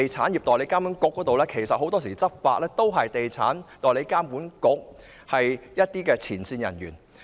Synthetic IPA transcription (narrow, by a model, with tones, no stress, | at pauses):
e˨jt͡sʰaː˨˥njiː˨p̚t̪ɔː˨˩jle˨˥jkaː˥mpu˨˥nkʊ˨˥kːɔː˨˥t̪o˨wlɛː˥kʰe˨˩jsɐ˨t̚ho˨˥wt̪ɔː˥s̬iː˨˩t͡sɐ˥t̚fa̰ː˧t̚lɛː˥t̪o˥wɦɐ˨jt̪e˨jt͡sʰaː˨˥nt̪ɔː˨jle˨˧jkaː˥mpuː˨˥nkʊ˨˥k̚ | hɐ˨jjɐ˥t̚t̪iː˥kɛː˧t͡sʰiː˨˩nsiː˧njɐ˨˩njyː˨˩n